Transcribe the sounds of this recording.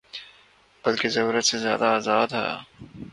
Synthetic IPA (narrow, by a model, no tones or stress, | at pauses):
b̥ɐlkezɐɾuːɾət̪sezja̰ːd̪aːzaːd̪ɦɛ̰ː